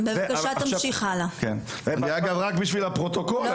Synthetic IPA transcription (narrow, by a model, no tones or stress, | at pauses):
bevakaʃat̪amʃiχalaken | ɡaaɡavʁakbiʃvilapʁot̪okol